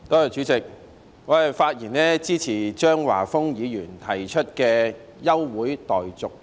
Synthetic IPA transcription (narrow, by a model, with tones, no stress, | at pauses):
t̪ɔː˥jt͡ʃyː˨˧˥t͡sɪ˨k̚ | ŋɔː˨˧ɐ˨jfaː˧t̚jiː˨˩nɛː˥t͡siː˥t͡sʰiː˨˩t͡ʃœː˥ŋwa̰ː˨˩fʊ˥ŋjiː˨˧jyː˨˩nt̪ʰɐ˨˩jt͡ʃʰɵ˥t̚kɛː˧ | jɐ˥wːuː˨˥jt̪ɔː˨˩jt͡sʊ˨k̚